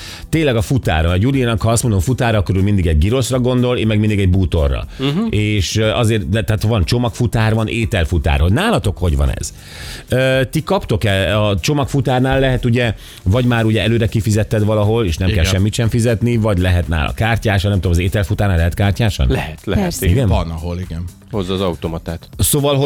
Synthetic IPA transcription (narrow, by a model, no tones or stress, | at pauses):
t̪eːnlːɛɡɒfut̪a̰ːɾɒnjulinɒkhɒɒst̪mo̞nd̪oɱfut̪aːɾɒɒkːoɾyːlmind̪iɡɛɟɡiɾo̞ʃrɒɡo̞nd̪o̞leːmɛɡmind̪iɡɛɟ̚buːt̪o̞rːɒ̰eːʃɒzeːrt̪d̪ɛt̪aːt̪vɒnt͡ʃo̞mɒkfut̪aːrvɒneːt̪ɛlfut̪a̰ːɾɦoɟnaːlɒt̪o̞kho̞ɟʋɒ̰nɛ̰z̥ | øːt̪ikɒpt̪o̞kɛɒt͡ʃo̞mɒkfut̪aːrnaːlːɛɦɛt̪uɟɛ | vɒɟmaːɾuɟɛɛløːɾɛkifizɛt̪ːɛd̪ʋɒlɒɦo̞leːʃnɛkɛlʃɛmːit̪ʃɛɱfizɛt̪nivɒɟlɛɦɛt̪na̰ːlɒ̰kaːrcaːʃɒnɛmt̪odomɒzeːt̪ɛlfut̪aːrnaːlɛɦɛt̪kaːrcaːʃɒ̰nlɛhɛt̪lɛɛsiɡɛnɒnɒɦoliɡɛn | hozːɒːzɒut̪omɒt̪aːt̪soːvɒlɦo